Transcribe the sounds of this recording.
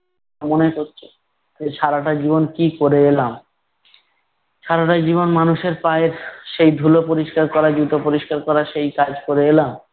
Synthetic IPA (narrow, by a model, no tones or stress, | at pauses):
monekoɾt͡ɕʰe̥ | eʃʰaɾaʈad͡ʑiβonkikoɾeelam | ʃʰaɾaʈad͡ʑiβonmanuʃeɾpaeɾʃejd̪ʱulopoɾiʃkaɾkɔɾad͡ʑɾut̪opoɾiʃkaɾkɔɾaʃejkad͡ʑkoɾeelam